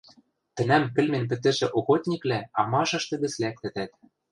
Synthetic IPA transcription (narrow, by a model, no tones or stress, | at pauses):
t̪ɘ̆næmkɘ̆lmĕnp̬ɘ̆t̪ɘ̆ʒĕʔoxot̪ʲnʲiklæɑmɑʒɤ̆ʃt̪ɤ̆ɣɘ̆t͡slæk̚t̪ɘ̆t̪æt̪